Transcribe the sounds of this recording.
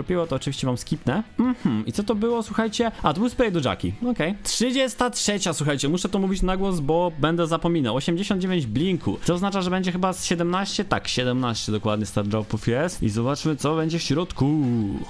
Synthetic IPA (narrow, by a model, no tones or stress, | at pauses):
ɔpʲiwɔt̪ɔːt͡ʂɨvʲiɕt͡ɕɛmamskʲipnɛm̩xm̩it̪sɔt̪ɔbɘwɔswuxajt͡ɕɛʔat̪ɔbuspɾɛjd̪ɔʐa̰kʲḭɔkɛjtʂɨd͡ʑɛst̪atʂɛt͡ɕaswuxajt͡ɕɛmuʂɛt̪ɔmuvʲit͡ɕnaɡwɔzbɔbɛnd̪ɛzapɔmʲinawɔɕɛmd͡ʑeɕɔ̃nd̪d͡ʑevʲjẽɲd͡ʑblʲiŋkʰut̪ɔːznat͡ʂaʐɛbɛɲd͡ʑɛxɘbasɕɛd̪ɛmnaɕt͡ɕɛt̪a̰kɕɛd̪ɛmnaɕt͡ɕɛd̪ɔkwad̪ɲɛst̪aɾdʐawpɔfʲiɛsḭzɔbat͡ʂmɘt̪sɔbɛɲd͡ʑɛfɕɾɔt̪ku